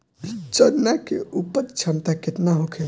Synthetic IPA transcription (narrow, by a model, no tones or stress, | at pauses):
t͡ʃənːakeʔupət̪t͡ʃʰənt̪aket̪naɦokʰe